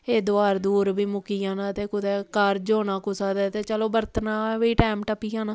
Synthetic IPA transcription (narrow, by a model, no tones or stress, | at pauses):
eːd̪oaːɾd̪uːɾbiːmʊkiːjãːnãːt̪eːkʊd̪eːkəɾd͡ʒoːnãːkʊsaːd̪eːt̪eːt͡ʃəloːbəɾt̪nãːʋiːʈaːmʈəpiːɦãːnaː